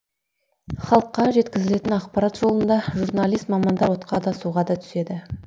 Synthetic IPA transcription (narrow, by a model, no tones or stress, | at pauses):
χɑlˠəqːɑʒe̞t̪kʲɪzɪle̞t̪ɪnɑqpɑɾɑt̪ʒo̞lˠənd̪ɑʒurnɑlˠijst̪mɑmɑnd̪ɑɾwo̞t̪qʰɑd̪ɑsuʁɑd̪ɑt̪ʰʏ̥se̞d̪ɪ